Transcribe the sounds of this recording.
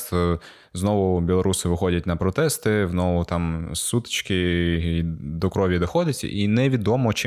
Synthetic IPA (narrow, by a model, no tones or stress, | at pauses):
znɔʋʊbʲilˠɔɾusɪʋɪxɔdʲɐt̚ʲnɐpɾɔt̪ɛst̪ɪznɔʋʊt̪amsut̪ɪ̥t͡ʃkɪ | d̪ɔkɾɔʋʲjɐd̪ɔxɔdʲɛtʲʔinɛʋʲid̪ɔmɔt͡ʃ